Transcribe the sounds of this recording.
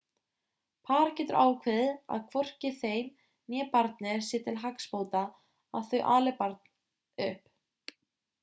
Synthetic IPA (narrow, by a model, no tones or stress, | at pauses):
pʰaːɾcɛt̪ʏɾʔaːwkʰvɪðɪa̰ðkʰvɔr̥cɪθejm | njɛːpaɾt̪nɪɾsɪːt̪ʰɪlɦakspoːwt̪a | a̰wθœɥʔaːlɪpaɾt̪̚n | ʏhp